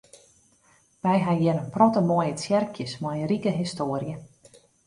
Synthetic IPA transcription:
mɛjɦajɛɾənprɔtəmoəjət͡sjɛrkʰjəsmɔjərikəɦistoːərjə

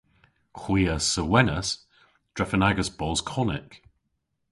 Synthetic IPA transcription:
kʰw̥iːəsəwɛnəs | d̥ɹ̥ɛfənaɡəsb̥ɔlˠz̥kʰɔnɪ̰k

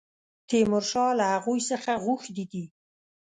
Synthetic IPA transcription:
t̪ʰemʊɾʃɑlahaɣujsəxaɣuxd̪id̪i

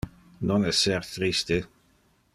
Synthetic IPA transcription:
nonɛsːɛɾt̪ɾist̪e

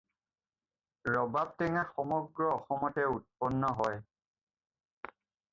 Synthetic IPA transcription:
ɹɔbap̚tɛŋaxɔmɔɡɹɔːxɔmɔtɛut̚pɔnːɔɦɔj

